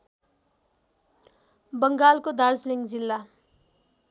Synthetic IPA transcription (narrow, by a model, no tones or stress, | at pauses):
bʌŋɡalkod̪aɾsliŋɡd͡zilːa